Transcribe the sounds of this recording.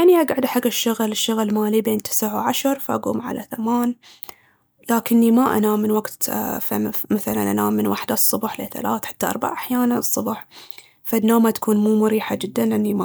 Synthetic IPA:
aʕniʔaɡʕʊd̪ħaɡːɪʃːʊɣlɪʃːʊɣlmaːlibeːnt̪ʰɪ̥sʕwʕaʃɑɾˤfaʔa̰ɡṵːmʕa̰la̰θamaːn | laːkɪnːimaʔa̰naːmːɪnwaɡt̪famaθala̰nʔanaːmːɪnwaħd̪asˤːʊbħlḛθa̰laːθħḁt̪ːaʔɑ̰ɾˤba̰ʕʔaħjaːnansˤːʊbħ | fanːoːmat̪ḁkuːnmuːmʊɾiːħad͡ʒɪd̪ːanʔɪnːima

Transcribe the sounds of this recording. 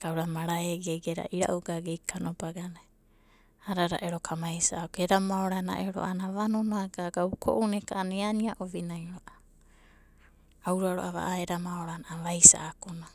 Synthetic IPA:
ɡ̥awɾamaɾaeɡeɡeɾa̰ʔiɾa̰ʔuɡaɡejkʰanobaɡana | aɾaɾa̰ʔeɾokʰamajsaːokeɾamaoɾana̰ʔeɾo̰ʔanaβanonoaɡaɡaukʰo̰ʔunekaʔaneaniaʔobinajoɾoʔa | awɾaɾoʔaβa̰ʔaeɾamaoɾanaʔaβajsa̰ːkona

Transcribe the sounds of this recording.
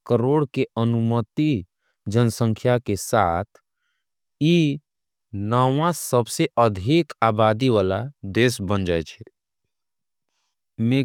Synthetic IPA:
kəɾoːɽkeənumət̪i | d͡ʒənsə̃ŋkʰjakesat̪ʰ | ji | nəwãsəbseʔəd̪ʱikaːbad̪iʋala̰d̪esbənd͡ʒaɛt͡ʃʰɛ | me

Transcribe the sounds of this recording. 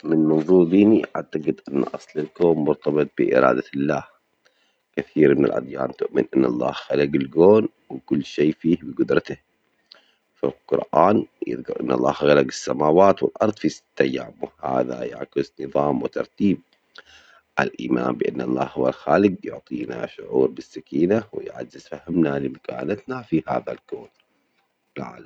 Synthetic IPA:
mɪnmɑnðˤuːɾd̪iːniʔaʕt̪aɡɪd̪ʔɪnːʔɑsˤlɪlkoːmːʊɾt̪ɑbɨt̪̚ˤbɪʔɪ̰ɾɑ̰ːd̪alːaːh | kɪθiːɾmɪnɪ̰lʔa̰d̪ˤjaːnt̪ʊʔmɪnʔɪnːʔɑlˤːɑ̰ːhɣalaɡɪlɡoːn | wkʊlːʃeːfiːhbɪɡʊd̪ɾˤɑt̪ah | fa̰lqʊ̰ɾˤʔaːnjɪ̰ðɡɑɾˤʔɪ̰nːʔɑ̰lˤːɑːhɣalaɡɪsːamaːwaːt̪wɪ̰lʔɑɾˤðˤfisɪ̥t̪ːajːaːmʊha̰ːða̰ja̰ʕkɪsnɨðˤɑːmwɪt̪ɑɾˤt̪iːb̚ | ʔalʔiːma̰ːmbɪʔanːʔɑ̰lˤːɑ̰ːhhʊwalxaːlɪɡ̚jʊʕt̪ˤiːna̰ʃʊʕuːɾbɪsːakiːnawɪ̰jʕa̰zːɪzfahɪmnalɪmakaːnat̪nafiha̰ːðalɡoːn | ɪlʕa̰ːlam

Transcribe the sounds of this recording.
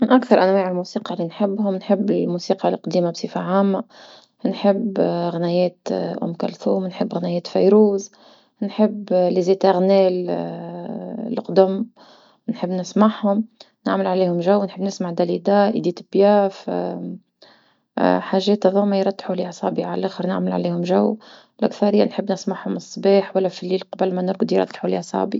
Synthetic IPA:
mɪnʔakθɑɾˤʔænwɛːʕɪlmusiːqɑlinħɪbːɦʊmnħɪbːɪlmusiːqɑlqd̪iːmabsˤifaʕaːmːa | nħɪbːɣnɛjɛːt̪ʔʊ̰mkæ̰lθuːmnħəbːɣnɛjɛːt̪fæjɾuːz | nħəbːlizeːt̪aɣnɛːl | lqd̪ʊm | nħəbːnɪsmaʕhʊm | nɪʕməlʕaliːhʊmʒawːnħəbːnɪsmaʕd̪ælid̪aːʔḭd̪iːt̪bjaːf | ħaʒɛːt̪æðˤuːmajɾˤɑt̪ːħuliʕsˤɑ̰ːbiʕalælʔæxəɾnɪ̰ʕməlʕa̰liːhʊmʒawː | lʔa̰kθɑɾɪjːænħəbːnɪsmaʕhʊmɨsˤːbiːħwælːæfilːiːlqɑbəlmænʊɾɡd̪ijɾɑ̰t̪ːħuljsˤɑ̰bi

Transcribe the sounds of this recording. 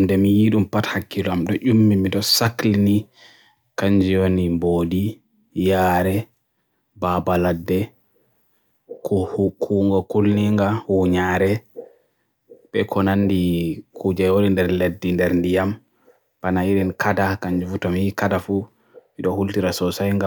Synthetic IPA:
mdɛmijiɗumpathakːilɔamɗɔʔumːimiɗɔsaklini | kaɲd͡ʒiwonimboːdi | jaːɾɛ | babaladːɛ | kkʰuŋɡɔkulniŋɡahuɲaɾɛ | ɓɛkʰɔnandikʰud͡ʒajwoɗindɛɾledːindɛɾndijam | panaiɾinkʰadakaɲd͡ʒufutɔmhikadafu | miɗɔhultiɾasɔsajŋɡa

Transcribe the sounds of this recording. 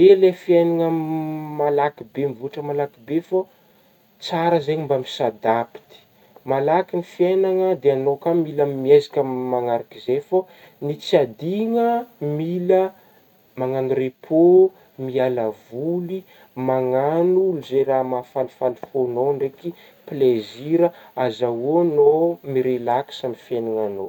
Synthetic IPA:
elefienaŋəmalakibemvuaʈ͡ʂəmalakibefa | t͡saɾəzeɲimbamisad̪api̥t̪i̥ | malakinifienaŋəd̪eanokamilammiazikʲəmːaŋaɾakizefa | nit͡siad̪iŋəmilə | maŋanuɾepʰo | mialavuli | maŋanuluzeɾamafalifalifonoɳɖ͡ʐeki | pleziɾəazawonomiɾelaksamifenaŋano

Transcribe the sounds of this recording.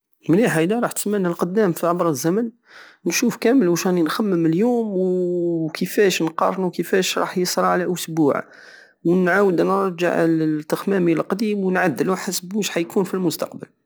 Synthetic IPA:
mniħajd̪ɑɾˤɑħt̪ə̥smənəlqʊd̪ːæmfiʕɑbɾˤəzːæmən | wnʃufkæməlwæʃæninxæmːəməljumwkəfæʃnqɑ̰rˤnuwkəfæʃɾˤɑ̰ħjəsˤɾˤɑʕlæʔʊsbuʕ | wnʕawəd̪nəɾˤʒə̰ʕlt̪ːəxmæmilqd̪imwənʕad̪ːəluħasbuʃħajkunfilmʊst̪ɑq̚bəl

